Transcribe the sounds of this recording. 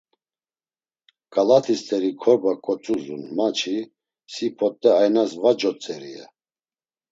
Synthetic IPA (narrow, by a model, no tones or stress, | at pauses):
kʼalat̪ʰist̪ʰʼɛɾikʰɔɾbakʼɔt͡sʼuzṵnmat͡ʃʰi | sipʰɔt̪ʼːɛajnasvad͡ʒɔt͡sʼɛɾiɛ̰